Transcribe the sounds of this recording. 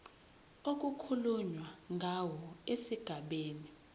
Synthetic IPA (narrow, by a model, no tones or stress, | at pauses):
ok̬ukʰuluɲwaŋɡʱawɔesiɡ̥ʱaɓeːni